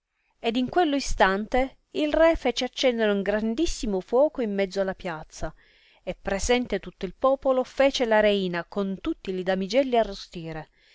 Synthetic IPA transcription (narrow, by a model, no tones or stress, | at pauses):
ed̪iŋkwelːoist̪ant̪e | ilrɛfɛːt͡ʃeat͡ʃːɛnd̪eɾeuŋɡɾand̪isːimofwɔːkoimːɛd̪zːoalːapjat̪sːa | epːɾezɛnt̪et̪ut̪ːoilpɔːpolofeːt͡ʃelaɾeiːnakont̪ut̪ːilid̪amid͡ʒɛlːiarːost̪iːɾe